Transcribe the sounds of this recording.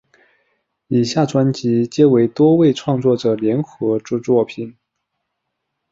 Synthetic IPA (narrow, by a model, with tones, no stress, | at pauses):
i˨˩ɕja˥˩ʈ͡ʂwa˥nt͡ɕi˧˥t͡ɕjɛ˥we˧˥ɪt̪wɔ˥we˥˧ɪʈ͡ʂʰwɑ˥˧ŋt͡swɔ˥˩ʈ͡ʂɤ˨˩ljɛ˧˥nxɤ˧˥ʈ͡ʂu˥˧t͡swɔ˥˩pʰi˨˩˦n